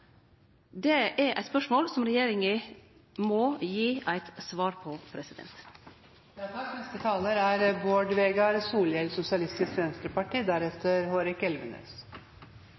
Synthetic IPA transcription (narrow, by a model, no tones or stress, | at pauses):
d̪ɛʔæɾʔæ̰ɪt̪spœʂmoːlsɔmɾɛjeːɾɪŋəmɔjiːʔæɪt̪sʋɑːɾpʰɔpʰɾɛsɪd̪ɛ̰nt̪ | d̪æfɑnɛst̪ət̪ʰɑːləɾæɾboːɖʋeːɡɑɾsuːljɛlsʊsɪɑlɪst̪ɪskʋɛnst̪ɾəpɑʈiːd̪æɾɛt̪əɾhoːɾɪkɛlʋənø̰ːs